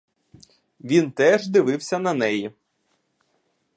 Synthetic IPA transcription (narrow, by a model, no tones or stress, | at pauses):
ʋʲint̪ɛʒd̪ɪʋɪwsʲɐnɐnɛji